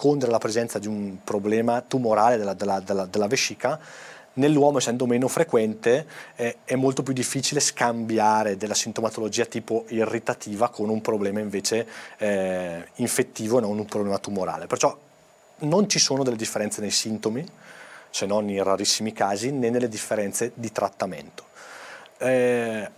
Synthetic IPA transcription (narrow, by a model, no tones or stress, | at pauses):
kʰond̪eɾelapɾezɛnt̪sad̪iumpɾoblɛːmat̪umoɾaːled̪elad̪elːad̪elːad̪elːaveʃiːka | nelːwɔːmoeɛsːɛnd̪omeːnofɾekwɛnt̪eɛɛmːolt̪op̬jud̪ːifːiːt͡ʃileskambjaːɾed̪elːasint̪omat̪olod͡ʒiːat̪iːpoirːit̪at̪ʰiːvakʰonumpɾoblɛːmaiɱveːt͡ʃe | iɱfet̪ːiːvoenonumpɾoblɛːmat̪umoɾa̰ːlepert͡ʃɔ | nont͡ʃisoːnod̪elːed̪ifːeɾɛnt̪senejsint̪omisenːoninraɾisːimikaːzinenːelːed̪ifːeɾɛnt̪sed̪it̪ɾat̪ːamḛnt̪o̥ | ɛ